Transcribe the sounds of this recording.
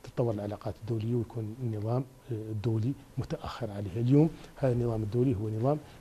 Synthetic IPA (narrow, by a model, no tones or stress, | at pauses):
t̪ə̥t̪ˤːɑwːəɾˤəlʕalɑqɑt̪əd̪ːuwləjːawjkʰunnːəðˤɑm | d̪ːuwli | mʊt̪aʔæxːəɾʕalihæljumhæðnːəðˤɑməd̪ːulihʊwːænəðˤɑm